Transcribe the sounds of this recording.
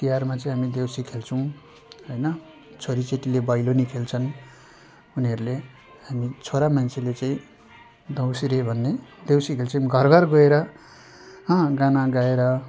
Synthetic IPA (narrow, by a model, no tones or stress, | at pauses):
t̪ijarmat͡sʌĩɦamid̪ewsikʰelt͡sʰʌ̃w̃ | ɦojnʌ | t͡sʰoɾit͡seʈilebʌjlonikʰelt͡sʰʌn | uniʌɾule | ɦamit͡sʰoɾamant͡sʰelet͡saĩ | d̪ʌwsiɾebʱʌnːed̪ewsikʰelt͡sʰʌ̃ɡʱʌrɡʱʌrɡʌeɾʌ | ɦʌ̃ɡãnaɡaeɾʌ